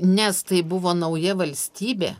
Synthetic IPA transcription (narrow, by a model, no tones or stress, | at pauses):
nʲɛst̪ɐɪbʊʋoːnɐʊjɛʋɐlʲsʲt̪ʲiːbʲḛː